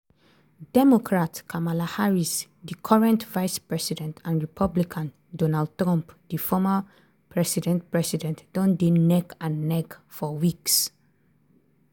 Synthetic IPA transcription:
dɛmɔkʰɹatkʰamalahaɹis | dikʰɔɹɛ̃ntvajspɹɛsidɛ̃ntʰãnɹipʰablikʰãn | dɔnald̚tɹɔ̃mpd̥ifɔma | pʰɹɛsidɛ̃nt̚pɹɛsidɛ̃ntd̥ɔ̃ndenɛkãnːɛkfɔwiks

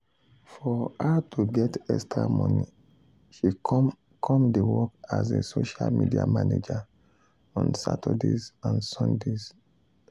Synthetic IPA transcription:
fɔhatʰoɡɛtɛstɹamɔ̃ni | ʃi | kʰɔ̃mdewɔkazesoʃalmidia̰maned͡ʒa | ɔ̃nsatʰɔdezãnsɔ̃ndez

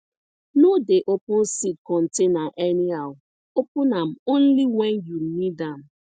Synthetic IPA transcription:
nodeʔopʊn̩sid̚kɔn̩tenaʔeniaw | opʊnam̩on̩liwenjunidam̩

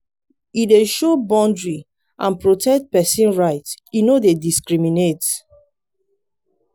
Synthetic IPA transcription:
ideʃobɔ̃ndɹi | ʔãnpɹotʰɛk̚t̚pɛsĩnɹaɪtinodediskɹiminet

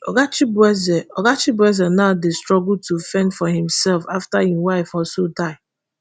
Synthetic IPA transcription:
ɔ̰ɡat͡ʃɪbɛzɛɔɡat͡ʃɪbwɛzɛnaʊdɪstɹɔɡʊl̩tufɛ̃ndfɔɦɪ̃msɛlfaftahiwaɪfɔlsodaɪ

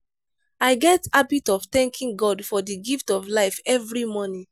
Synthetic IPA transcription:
aɪɡɛtabitɔvt̪ɛ̃ŋkʰĩŋɡɔdfɔdiɡiftɔvlaɪfɛvɹimɔ̃nĩ

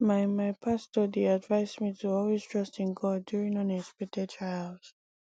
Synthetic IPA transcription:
maɪmajpʰastɔdiadvaɪsmitʰuɔlwiz̥tʰɹʌstɪ̃nɡɔdjuɹĩŋɔnɛspɛtɛtʰɹaɪlz̥

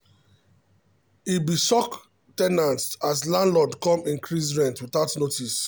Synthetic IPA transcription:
ibisɔk | tɛnãnstaslãnlɔdkɔ̃mĩŋkʰɹisɹɛ̃ntwiθaʊtnotis

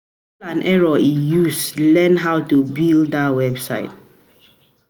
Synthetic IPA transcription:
lãnʔɛɹɔijuslɛ̃nɦaʊtubilddawɛbsa̰ɪt̚

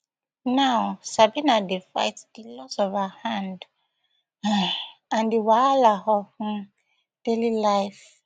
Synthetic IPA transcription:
nawsabinadifa̰ɪtdilɔsɔvahãnd | ãndiwaalahɔ̃ | d̥elilaɪf

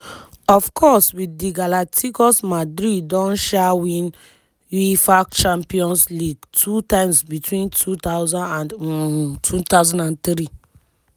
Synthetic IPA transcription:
ɔfkʰɔswidiɡalatʰikɔsmadɾidːɔ̃nʃawĩn | jifakt͡ʃãmpiɔ̃nsliɡtʰutãɪ̃msbitwĩntʰut̪aʊzãndãn | tʰut̪aʊzãndãnt̪ɾi

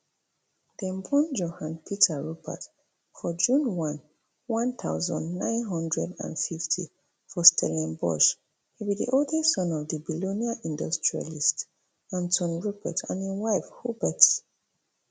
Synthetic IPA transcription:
d̥ɛ̃mbɔ̃nd͡ʒohãnpʰitʰaɹubə̰t | fɔd͡ʒũnwɔ̃n | wɔ̃nθʰaʊzɔ̰̃ndnãɪ̃nɦɔ̃ndɹɛdã̰nfiftʰḭ | fɔstʰɛlɛ̃nbɔ̰ʃ | hibidḭʔodɛsɔ̃nɔvdibiloniaʔĩndɔstɹia̰list | ãntʰɔ̃nɹubɛ̰tʰã̰niwaɪfhubɛt

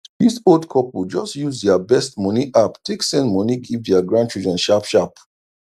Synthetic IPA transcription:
disolˠdkʰɔpl̩d͡ʒɔstjuzdɛabɛstmɔniʔaptʰeksɛ̃ndmɔniɡivdɛaɡɹãntʰɹid͡ʒɔ̃nʃapʃap

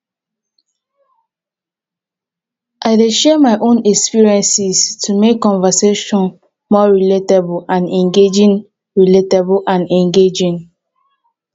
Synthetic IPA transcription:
ʔaɪdeʃɛmaɪʔõnɛkspiɹiɛ̃nsistʰumekːɔ̃ɱvəseʃɔ̃n | mɔɹiletablãnɛ̃ŋɡed͡ʒĩŋ | ɹiletablʔãnɛ̃ŋɡed͡ʒĩŋ

